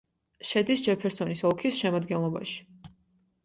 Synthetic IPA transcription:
ʃɛd̪isd͡ʒɛpʰɛɾsɔnisɔlˠkʰisʃɛmad̪ɡɛnlˠɔba̰ʃi̥

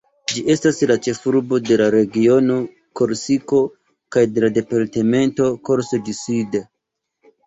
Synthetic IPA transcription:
d͡ʒiʔe̞staslat͡ʃe̞fuɾbo̞de̞laɾe̞ɡio̞no̞ | ko̞ɾsiko̞ | kajde̞lade̞paɾteme̞nto̞ko̞ɾsodiside

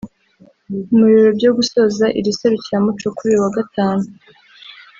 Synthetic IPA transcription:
muβiɾobɟo̞ɡuso̞ːzaʔḭɾise̞ɾuciɾamut͡ʃo̞kuɾiwaɡatʰaːnu

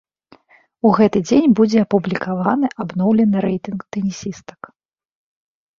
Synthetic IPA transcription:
uɣɛt̪ɨd͡zʲenʲbud͡zʲɛapublʲikavanɨʔabnɔwlʲɛnɨɾɛjt̪ɨnkt̪ɛnʲisʲist̪ɐ̥k

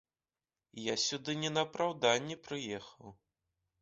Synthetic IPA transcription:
jasʲud̪ɨnʲɛnɐpɾawd̪anʲːɛpɾɨjɛxɐw

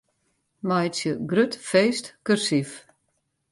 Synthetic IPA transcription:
majtsjəɡrøtfeːstkørsif

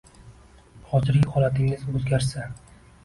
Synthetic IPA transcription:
χɒzɪɾɪhɒlˠat̪ʰɪŋɪzɵzɡʲaɾsa

